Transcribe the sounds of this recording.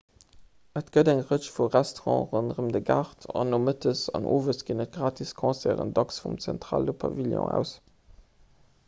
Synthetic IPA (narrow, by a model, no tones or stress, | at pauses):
ətɡ̥ədæŋʁət͡ʃfuʁæstoʁɑ̰̃ːʁənʁəmdəɡaʁtʰɑ̰nːomətʰəsɑno̰ːvəsɡiːnət̚ɡ̥ʁaːtʰiskʰɑ̃ːsɛːʁə̰ndɑksfumt͡sæ̰ntʁa̰ːlopʰɑ̰viljɔ̰̃æ̰ʊs